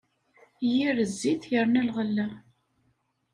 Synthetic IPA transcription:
jiɾəzːiθjəɾnælʁəlːæ

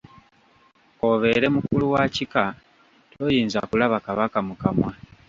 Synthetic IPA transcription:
o̞βe̞ɾe̞mukuluwacika | tʰo̞jiːnza̰kulaβakaβakamukamwa

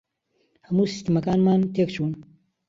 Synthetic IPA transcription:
hɐmuːsi̥st̪əmɐkaːnmaːnt̪ʰeːkt͡ʃʰuːn

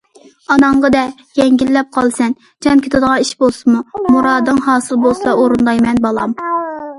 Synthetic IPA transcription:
ɑnɑɴʁəd̪ɛ | jɛŋɡʲilːɛp̚qʰɑlˠsɛn | d͡ʒʰɛmkʲʰet̪ʰɨd̪əʁɑniʃbolˠsɨmumuɾɑːd̪ɨŋhɑːsɨlˠbolˠsɑoɾɨnd̪ɑjmɛnbɑlˠɑm

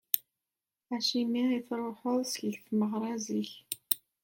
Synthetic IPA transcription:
æʃimiiθɾˤoħʊˤsçfməʁɾˤɑziç

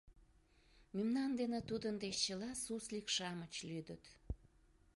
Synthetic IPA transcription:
mymnɑnd̪enet̪ud̪ənd̪et͡ɕəlɑsuslikʃɑmət͡ɕlyd̪ət̪

